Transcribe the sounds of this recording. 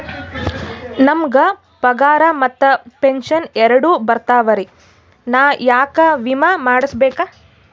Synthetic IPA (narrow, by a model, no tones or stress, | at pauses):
nɐmɡɐ | pɐɡaːɾɐmɐt̪ːɐpenʃɐnɛɾɐɽubɐɾt̪aːʋɐɾi | naːjaːkɐʋimɐmaːɽɐsbɛːka